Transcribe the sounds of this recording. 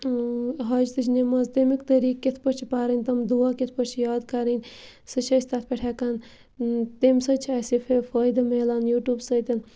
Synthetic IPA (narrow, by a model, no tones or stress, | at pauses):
ɦɐd͡ʒt̪ɨt͡ʃʰnemɐzt̪emikt̪ɐɾiːkːet̪ʰpɐɾt͡ʃʰipaːɾɐnʲt̪ɐmd̪uʋaːket̪ʰpɐɾt͡ʃʰijaːd̪kaɾɐnʲ | sɨt͡ʃʰɐsʲt̪at̪ʰpʲɐʈʰɛːkaːn | t̪emsɐt͡ʃʰiɐːsifʰefɐːjd̪ɐmelaːnjuːʈjuːbsɐjt̪ʲɐn